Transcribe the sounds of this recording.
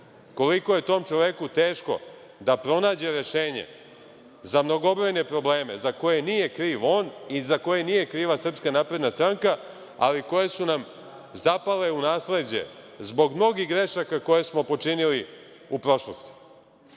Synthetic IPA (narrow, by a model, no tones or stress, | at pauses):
ko̞liko̞je̞t̪o̞ːmt͡ʃoʋe̞kut̪eːʃko̞̰ | d̪apɾo̞naːd͡ʑe̞ɾe̞ʃe̞ːɲḛ | zamno̞ɡobɾojne̞pɾo̞ble̞ːme̞̰zako̞jenije̞kɾiːʋo̞ːnizako̞jenije̞kɾiːʋasr̩pskanaːpɾe̞d̪nast̪ɾaŋka | a̰liko̞je̞sunam | zapale̞unaːsle̞d͡ʑe̞̰ | zbo̞ɡmno̞ɡiɦɡɾe̞ʃakako̞je̞smo̞po̞t͡ʃinili | upɾo̞ʃlˠost̪i̥